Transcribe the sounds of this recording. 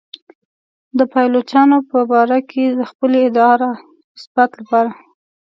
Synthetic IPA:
d̪əpɑjlot͡ʃɑnopəbɑɾakʰed̪əxpəleɪd̪ɑɾa | nɪsb̥at̪lapɑɾa

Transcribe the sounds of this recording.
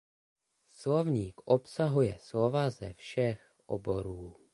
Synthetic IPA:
slovɲiːkʔopsaɦujɛslovazɛfʃɛx | ʔo̰bo̞ɾuː

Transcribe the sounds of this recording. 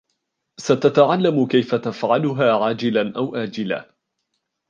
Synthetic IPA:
sat̪at̪aʕalːamʊkajfat̪afʕalʊɦaːʕaːd͡ʒɪlanʔawʔaːd͡ʒɪla̰ː

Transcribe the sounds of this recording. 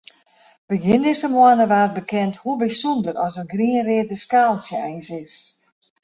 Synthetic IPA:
b̥əɡɪndɪsəmɔənəʋaːət̚bəkʰɛnthubəstundərɔsənɡriənrɪədəskaːlˠsjəɛjnsɪs

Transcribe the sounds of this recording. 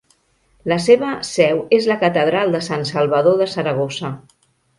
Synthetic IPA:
ləseβ̞əsɛwezləkət̪əð̞ɾalˠd̪əsansəlˠβəðoðəsəɾəɣ̞ozə

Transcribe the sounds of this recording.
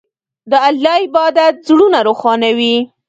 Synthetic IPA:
d̪əaljɑɪbɑd̪at̪̚zɽunaɾoxɑnawi

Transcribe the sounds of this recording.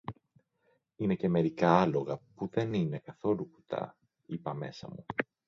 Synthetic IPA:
ine̞ce̞me̞ɾikɐɐlo̞ɣɐpuðe̞nine̞kɐθo̞luku̥t̪ʰɐ̰ | ipɐme̞̰sɐ̰mu

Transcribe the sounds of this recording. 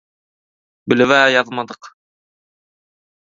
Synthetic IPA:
bɘ̆lɘ̆βæjɑðɤmɑd̪ɤq

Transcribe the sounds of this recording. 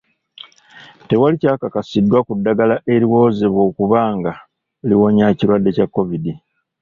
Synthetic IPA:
te̞walicaːkakasidːwakudːaɡalaʔe̞ɾiwo̞ːze̞βwo̞ːkuβaːŋɡa | liwo̞ɲaciɾwadːe̞cakːo̞vidi

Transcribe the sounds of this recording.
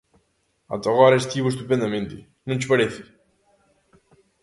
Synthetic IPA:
a̰t̪aɣɔɾest̪iβust̪upɛnd̪amẽnt̪ḭ | nunt͡ʃpaɾeθi̥

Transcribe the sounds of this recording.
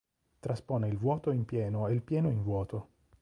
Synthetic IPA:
t̪ɾaspoːneilvwɔːt̪oimpjɛːnoeilpjɛːnoiɱvwɔːt̪o

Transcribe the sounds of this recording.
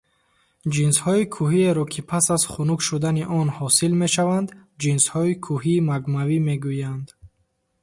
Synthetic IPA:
d͡ʒinshɔikʰuɦieɾɔkʰipʰasazχunukʃud̪aniʔɔnhɔsilme̞ʃavand̪d͡ʒinshɔikʰuɦiːmaɡmavime̞ɡujand̪

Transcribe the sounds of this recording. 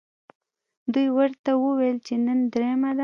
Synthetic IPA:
d̪ujwəɾt̪awəwelt͡ʃenənd̪ɾemad̪a

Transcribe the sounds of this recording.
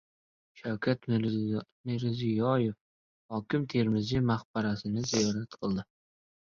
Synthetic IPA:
ʃawkʰʲat̪ | mɪɾzijɒjef | hɒkʲʰɪmt̪ʰe̞ɾmɪzɪmaχbaɾasɪnɪzijɒɾat̪qʰɨlˠd̪ɪ

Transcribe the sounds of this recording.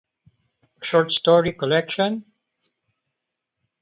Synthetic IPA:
ʃɔɹʈstɔɹikɔlɛkʃə̃n

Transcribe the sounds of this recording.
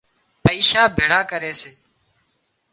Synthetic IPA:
pəiːʃaːbʱeːɽ̤aːkəɾeːseː

